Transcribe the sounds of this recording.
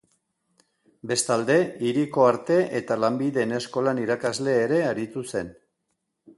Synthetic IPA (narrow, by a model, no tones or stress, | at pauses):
be̞st̪ald̪e̞iɾiko̞aɾt̪e̞ʔet̪alambiðe̞ːne̞sko̞laniɾakazle̞ːɾe̞aɾit̪use̞n